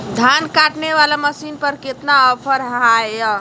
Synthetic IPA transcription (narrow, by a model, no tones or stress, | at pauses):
d̪ʱankaʈneʋalaməsinpəɾket̪naɔpʰəɾɦajja